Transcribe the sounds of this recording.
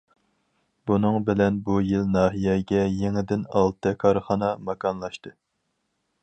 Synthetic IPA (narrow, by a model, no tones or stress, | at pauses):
bunɨŋbɪlɛnbujilnɑːɦijɛɡʲɛjeŋɪd̪ɪnɑlˠt̪ʰɨkʰɑɾχɑnɑmɑkʰɑnlˠɑʃt̪ɨ